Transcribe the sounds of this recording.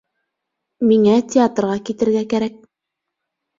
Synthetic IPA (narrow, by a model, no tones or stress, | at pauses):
miŋætʲɪat̪rʁɑkit̪ɘ̆ɾɡækæɾæk̚